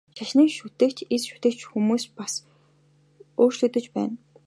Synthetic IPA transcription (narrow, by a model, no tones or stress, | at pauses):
ʃaʃniːkʃut̪ĕːkt͡ɕesʃu̥t̪ĕːkt͡ɕxumuːspas | oːrt͡ɕɮɵ̆ːt̪ɵ̆t͡ɕpæ̰ːn